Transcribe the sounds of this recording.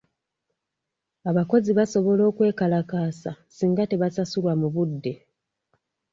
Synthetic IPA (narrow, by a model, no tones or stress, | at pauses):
aβako̞ziβaso̞βo̞lo̞ːkwe̞ːkalakaːsasiːŋɡate̞βasasulwamuβudːe̞